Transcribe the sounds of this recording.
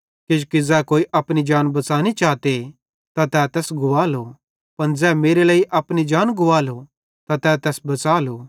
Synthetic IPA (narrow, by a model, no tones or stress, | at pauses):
kɪd͡ʒkid͡zɛːkoːiʔɐpnid͡ʒaːnbɐt͡saːnit͡ʃaːt̪e | t̪at̪ɛːt̪ɛːsɡʊʋaːlo | pɐnd͡zɛːmeːɾeləːiʔɐpnid͡ʒaːnɡʊʋaːlo | t̪at̪ɛːt̪ɛːsbɐt͡saːloː